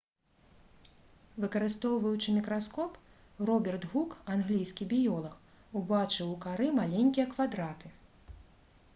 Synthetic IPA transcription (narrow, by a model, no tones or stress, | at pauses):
vɨkɐɾɨst̪ɔwvɐwt͡ʂɨmʲikɾaskɔp | rɔbʲɛrt̪ɣukanɣlʲijsʲkʲibʲijɔlˠɐx | ubat͡ʂɨwukaɾɨmalʲenʲkʲijɐkvad̪ɾat̪ɨ